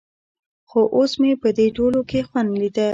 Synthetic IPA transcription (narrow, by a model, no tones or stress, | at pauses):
xoʔosmepəd̪eʈolokexwand̪lid̪ə